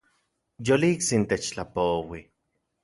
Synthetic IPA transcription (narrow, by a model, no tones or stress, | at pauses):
joliiksint̪et͡ʃt͡ɬapowi